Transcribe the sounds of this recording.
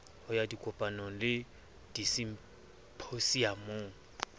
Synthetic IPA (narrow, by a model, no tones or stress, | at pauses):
hʊjadikʼʊpʼanɔŋ̩lɪ | d̥isim̩ | pʰosiamoːŋ̩